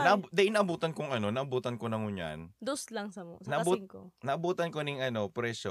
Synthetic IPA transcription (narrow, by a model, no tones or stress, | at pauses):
nɐʔɐd̪ɐʔɪnɐʔɐbuːt̪ɐnkoŋʔɐno̞nɐʔɐbuːt̪ɐnkonɐŋʊɲa̰nd̪oslɐŋsɐmnɐʔɐbuŋnɐʔɐbuːt̪ɐnkonɪŋʔɐno̞pɾɛːʃo